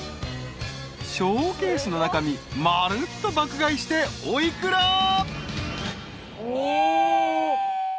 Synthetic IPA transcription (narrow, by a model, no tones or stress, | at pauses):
ɕoːke̞ːsɨno̞nakamʲimaɾɯt̪ːo̞bakɯ̟ɡaiɕi̥t̪e̞oikɯ̟ɾa